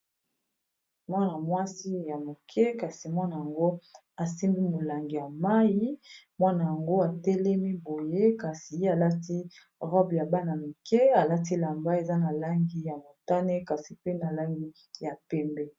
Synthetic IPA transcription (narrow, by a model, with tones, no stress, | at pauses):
mwa˦na˨mwa˦si˦ja˨mo˨kʰɛ˦ka˨si˨mwa˦na˨ja˨ŋɡo˦ | a˨si˦mbi˦mo˨la˨ŋɡi˨ja˨ma˦ji˦mwa˦na˨ja˨ŋɡo˦a˨tɛ˦lɛ˦mi˦bo˨je˦ka˨si˨e˦a˨la˦ti˦ | ʁɔ˦bja˨ba˦na˨mi˨kɛ˦a˨la˦t̬i˦la˨mba˦e˨za˦na˨la˦ŋɡi˦ja˨mo˨ta˦ne˦ka˨si˨pe˦na˨la˦ŋɡi˦ | ja˨pɛ˦mbɛ˦